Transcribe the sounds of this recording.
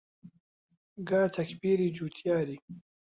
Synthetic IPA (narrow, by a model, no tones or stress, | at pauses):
ɡaːt̪ʰɐkbiɾid͡ʒut̪ʰjaːɾi